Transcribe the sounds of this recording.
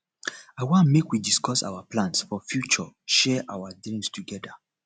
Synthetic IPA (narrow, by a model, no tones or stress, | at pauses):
aɪwãnmekwidiskɔsa̰waplãnsfɔfjut͡ʃɔʃɛʔawadɹĩmstʰuɡɛda